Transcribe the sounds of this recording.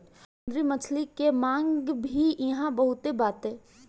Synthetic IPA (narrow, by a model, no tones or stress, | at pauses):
d̪ɾimət͡ʃʰlikemãːŋɡɡbʱiɪɦãbəɦʊt̪ebaːt̪ɦɛ̃ː